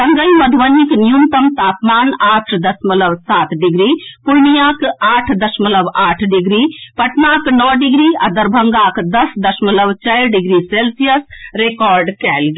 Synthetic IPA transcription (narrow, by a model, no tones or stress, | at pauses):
t̪ɐŋɡəimɐd̪ʱʋɐniknijunt̪ɐmt̪aːpmaːnaːʈʰd̪ɐsmɐləʋsaːt̪ɖɪɡɾiːpʊɾnijaːkaːʈʰd̪ɐʃmɐləbaːʈʰɖɪɡɾiːpɐʈnaːknɔːɖɪɡɾiːɐd̪ɐɾbʱɐŋɡaːkd̪ɐsd̪ɐʃmɐləʋt͡ʃaɪɾɖɪɡɾiseːlsijəsɾeːkɔːɾɖkɛːlɡ